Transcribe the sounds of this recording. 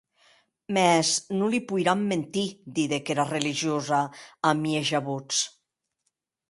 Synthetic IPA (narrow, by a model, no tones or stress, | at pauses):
mɛznulipujɾamːent̪id̪iðekeɾareliʒiozaːmieʒaβut͡s